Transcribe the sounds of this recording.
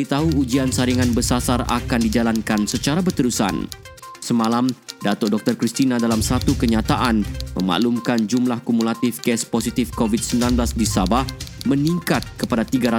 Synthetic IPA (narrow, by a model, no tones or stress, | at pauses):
əit̪aɦuud͡ʒiansaɾiŋanbəsasara̰kandid͡ʒalankansət͡ʃaɾabərt̪əɾusa̰n | səmalamdat̪ɔdɔk̚t̪ɔrkɾist̪inadalamsat̪ukəɲat̪aʔanməma̰ʔlumkand͡ʒumlahkumulat̪ɪfkɛsposit̪ɪfkovit̪̚səmbilanblasdisabahməniŋkat̪̚kəpadat̪iɡaɾa